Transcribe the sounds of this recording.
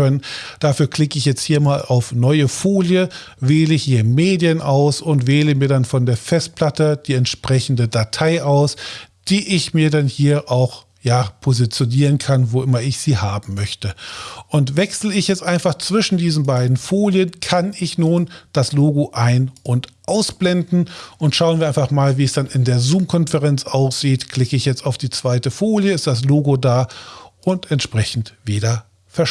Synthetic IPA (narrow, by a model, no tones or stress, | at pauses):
œnənd̥aːfyːɐkl̥ɪkəɪçjɛt͡sthiːɐmaːla̰ʊfnɔʏəfoːljə | veːləɪçhiːɐmeːdjənʔaʊsʊntv̥eːləmiːɐdanfɔndeːɐfɛst̚pʰl̥atəd̥iːɛntʃpʁ̥ɛçn̩dədatʰaɪʔaʊsd̥iːʔɪçmiːɐdanhiːɐʔaʊx | jaːpʰozit͡sjoniːʁ̞ənkʰanvoʔɪmɐɪçz̥iːhaːbm̩mœçtəʔʊntv̥ɛksl̩ɪçjɛt͡stʔaɪnfaχt͡sv̥ɪʃn̩diːzn̩baɪdn̩foːljənkʰanɪçnuːnd̥asloːɡoʔaɪnʔʊntʔaʊsb̥lɛndn̩ʔʊntʃaʊənviːɐaɪnfaχmaːlviːɛsd̥anɪndeːɐzuːmkʰɔnfɛʁɛnt͡sʔaʊsz̥iːtkl̥ɪkəɪçjɛt͡staʊfd̥iːt͡sv̥aɪtəfoːljəɪstd̥as̬loːɡodaːʔʊntɛntʃpʁ̥ɛçn̩tv̥eːdɐ | fɛɐʃ